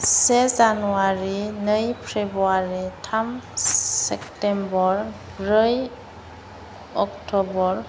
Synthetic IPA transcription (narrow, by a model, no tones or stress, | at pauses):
sezanuaɾinɯjpʰɾebuaɾitʰamsektembɔɾ | bɾɯj | ɔktɔbɔɾ